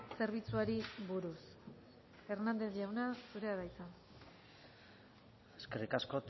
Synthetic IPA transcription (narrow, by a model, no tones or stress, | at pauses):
se̞ɾβ̞it͡suaɾiβuɾus | e̞ɾnand̪e̞zʝawnasuɾe̞aðajsan | eskerikasko̞t̪